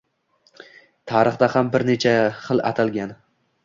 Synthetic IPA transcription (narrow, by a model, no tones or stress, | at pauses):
t̪ʰaɾɨχd̪ahambɪɾne̞t͡ʃʰaχɨlˠa̰t̪ʰalˠɡʲan